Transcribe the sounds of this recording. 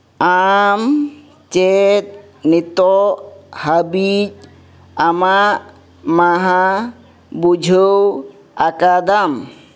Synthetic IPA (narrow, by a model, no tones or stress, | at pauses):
am | t͡ʃɛt̪̚ | nit̪ɔhabid͡ʒ | amaʔ | maɦa | bud͡ʒʱəw | akad̪am